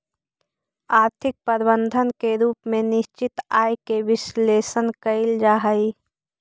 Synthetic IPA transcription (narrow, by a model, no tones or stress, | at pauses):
aːɾt̪ʰɪk̚pəɾbənd̪ʱənkeɾuːpmẽnɪʃt͡ʃɪt̪aːjkeʋɪsleːsənkəɪld͡ʒaːɦəi